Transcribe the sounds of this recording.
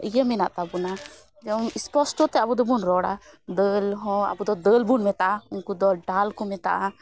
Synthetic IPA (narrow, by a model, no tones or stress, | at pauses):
ijəmɛnaʔt̪abuna | d͡ʒɛnispɔsʈɔt̪ɛabud̪ɔbunɾɔɽa̰d̪əlɦɔ̃a̰bud̪ɔd̪əlbunmɛt̪aʔaunkud̪ɔlɖalkumɛt̪a̰ʔa